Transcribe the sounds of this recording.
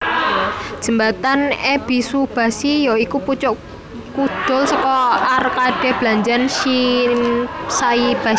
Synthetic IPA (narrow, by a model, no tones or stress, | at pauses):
d̥ʒ̥ə̤mbat̪aneb̥i̤sub̥a̤sijɔikuput͡ʃɔʔ | kud̪̥ɔ̤lsəkɔarkaɖ̥ɛ̤hb̥laɲd͡ʒanʃinsaib̥a